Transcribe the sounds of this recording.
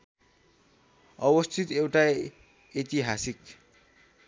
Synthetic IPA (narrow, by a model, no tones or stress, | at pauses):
ʌwʌst̪ʰit̪ewʈa | et̪iɦasik